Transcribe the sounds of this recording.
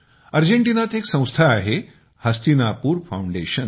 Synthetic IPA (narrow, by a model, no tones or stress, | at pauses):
əɾd͡ʑeɳʈinat̪eksə̃w̃st̪ʰaːɦe | həst̪inapuːɾfauɳɖeɕən